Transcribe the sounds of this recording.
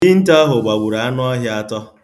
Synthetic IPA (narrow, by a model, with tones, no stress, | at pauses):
i˦n̩˦ta˦ɦʊ˨ɡ͡ba˨ɡʷu˨ɾa˨a˦nʊ˦ɔ˦ɦja˦a˦tɔ˦